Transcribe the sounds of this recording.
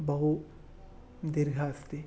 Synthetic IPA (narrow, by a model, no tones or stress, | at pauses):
bɐɦu | d̪ɪɾɡʱaːst̪i